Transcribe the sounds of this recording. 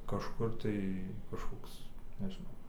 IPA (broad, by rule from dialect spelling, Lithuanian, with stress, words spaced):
kɐʃˈkʊr tɐɪ kɐʃˈkoːks nʲɛʒʲɪˈnɐʊ